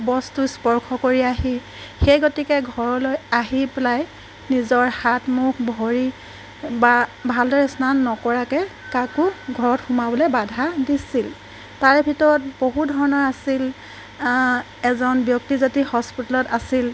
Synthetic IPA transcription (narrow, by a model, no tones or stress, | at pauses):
bɔstuspɔɹkʰɔkoɹiaɦi | xejɡotikɛɡʱɔɹɔlojaɦipelaj | nizɔɹhatmukʰbʱoɹi | babʱaldɔɹɛsnanːɔkɔɹakɛkakuɡʱɔɹɔtxumabɔlɛbadʱadisil | taɹbʱitɔɹɔt̚boɦudʱɔɹɔnɔɹasil | ɛzɔnbjɔk̚tizatihɔspitɔlɔtasil